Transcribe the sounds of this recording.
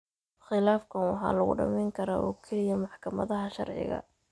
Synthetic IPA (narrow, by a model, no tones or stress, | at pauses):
χɪlaːfkʰɐnwɑħɑ̰ːlɐɣʊ̰ɖɐ̰mɛjŋkʰɐɾa̰ːʔɔːkʰɛlɪjɐmɑħkʰɐmɐ̰ðɐɦɐʃɑ̰rʕɪ̰ɣɐ̰